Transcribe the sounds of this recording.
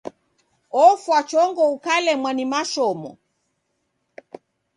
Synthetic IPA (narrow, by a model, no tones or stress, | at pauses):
ɔfwat͡ʃɔŋɡɔukalɛmwanimaʃɔmɔ̰